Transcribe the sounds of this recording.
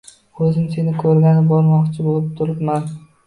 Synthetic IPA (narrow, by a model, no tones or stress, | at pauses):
ɵzɪmse̞nɪkʰɵɾɡʲanɪbɒɾmɒqt͡ʃʰɪbolˠɪp̚t̪ʰʊɾɪpman